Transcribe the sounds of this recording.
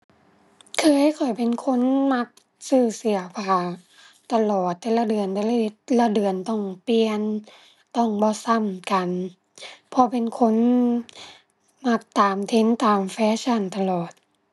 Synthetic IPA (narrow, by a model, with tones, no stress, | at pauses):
kʰɤː˧˨hjkʰɔ˨˩jpe˨nkʰo˧˥˨nma˧˥k̚ | sɯː˧˩si˨˩˦ɐpʰaː˧˩ | t̪a˧lɔː˨˩t̪ːɛː˧˦la˧˩dɯ˨˩ənt̪ɛː˧la˧i˧la˧dɯ˨ənt̪ɔ˧˥˩ŋpi˧ən | t̪ɔ˧˩ŋbɔː˧˦sa˧˩˨mka˨˩n | pʰɔ˧˦pe˨nkʰo˧˥˨n | ma˧˩k̚t̪aː˨mt̪ʰe˧˥˨nt̪aː˨mfɛː˧˥ɕʰa˧˥˨nt̪a˧lɔː˨˩t̪̚